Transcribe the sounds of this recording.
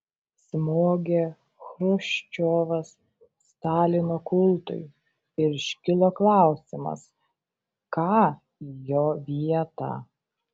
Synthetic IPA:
sʲmoːɡʲe | xɾʊʃʲt͡ʃʲoːʋɐsː | t̪ɑːlʲɪnoːkʊlˠt̪ʊ̰ɪ | ɪɾʃʲkʲɪlˠoːklˠɑˑʊsʲɪmɐ̰s | kɑː | joːʋʲiɛt̪ɑ̰ː

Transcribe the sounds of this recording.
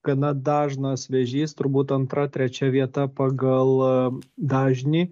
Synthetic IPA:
ɡ̥ɐnɐd̪ɑːʒnɐsʋʲɛʒʲiːst̪ʊɾbuːt̪ɐnt̪ɾɐt̪ʲɾʲɛt͡ʃʲɛʋʲiɛt̪ɐpɐɡɐlˠd̪ɑːʒʲnʲiː

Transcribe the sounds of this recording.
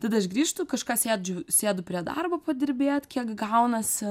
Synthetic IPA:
t̪ɐd̪ɐɐʃɡɾʲiːʃt̪ʊkɐʃkɑːsʲeːd͡ʒʲʊsʲeːd̪ʊpʲɾʲiɛd̪ɐ̰rboːpɐd̪ʲɪɾʲbʲeːt̪kʲiɛkɡɐʊnɐsʲɪ

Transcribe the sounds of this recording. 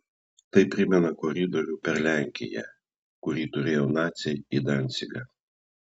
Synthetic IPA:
t̪ɐɪpʲɾʲɪmʲɛnɐkɔɾʲɪd̪ɔɾʲuːpʲɛɾlʲæˑŋʲkʲɪ̰jɛ̰ | kʊɾʲiːt̪ʊɾʲeːjoːnɑːt̪sʲɛid̪ɑnʲt̪sʲɪɡɑ

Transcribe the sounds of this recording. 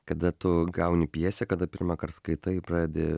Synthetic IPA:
kɐd̪ɐt̪ʊɡɐʊnʲɪpʲiɛsʲekɐd̪ɐpʲɪɾmɐkɐrt̪skɐɪt̪ɐipɾɑːd̪ʲed̪ʲe

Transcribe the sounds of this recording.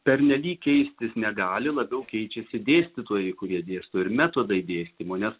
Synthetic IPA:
pʲɛɾʲnʲɛlʲiːkʲkʲɛɪsʲt̪ʲɪsnʲɛɡɑːlʲɪlˠɐbʲɛʊkʲɛɪt͡ʃʲɛsʲɪd̪ʲeːsʲt̪ʲɪt̪uːjɛɪkʊɾʲiɛd̪ʲeːst̪oːɪɾmʲɛt̪oːd̪ɐɪd̪ʲeːsʲt̪ʲɪmoːnʲɛs

